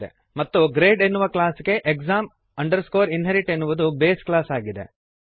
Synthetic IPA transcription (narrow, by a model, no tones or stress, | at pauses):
ḛ | mɐt̪ːuɡɾeːɖenːuʋɐklaːsɡe̞ʔekzaːm | ɐɳɖɐɾskoːɾinɦeɾiʈe̞nːuʋud̪ubeːsklaːsaːɡid̪ḛ